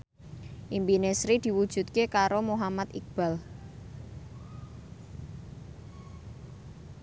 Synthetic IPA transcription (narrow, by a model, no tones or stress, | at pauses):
ʔimbinesɾid̪̥i̤wud̥ʒ̥ṳt̪̚kekaɾomoɦamat̪ik̚b̥a̤l